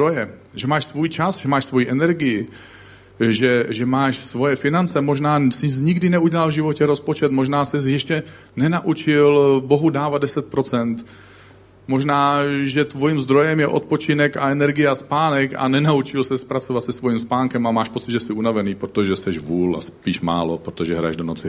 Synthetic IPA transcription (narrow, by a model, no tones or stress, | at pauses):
d̪ɾojɛ | ʒɛmaːʃsvuːjt͡ʃasʒɛmaːʃsvo̞jiʔɛnɛɾɡɪjɪ | ʒɛʒɛmaːʃsvo̞jɛfɪnant͡sɛmo̞ʒnaːsɪsɲɪɡdɪnɛuɟɛlalvʒɪvo̞cɛɾo̞spo̞t͡ʃɛt̪mo̞ʒnaːsɪs̬jɛʃcɛ | nɛnaʔut͡ʃɪlbo̞ɦudaːvad̪dɛsɛt̪̚pɾo̞t͡sɛnt̪ | mo̞ʒnaːʒɛt̪vo̞jiːmzd̪ɾo̞jɛmjɛʔot̪̚po̞t͡ʃɪnɛka̰ɛnɛɾɡɪjɛaspaːnɛka̰nɛnaut͡ʃɪlsɛspɾat͡so̞vat̪sɛsvo̞jimspaːŋkɛmamaːʃpo̞t͡sɪd̪ʒɛsɪunavɛniːpɾot̪o̞ʒɛsɛʃvuːla̰spiːʃma̰ːlo̞pɾot̪o̞ʒɛɦɾa̰jɛ̰ʒdo̞not͡sɪ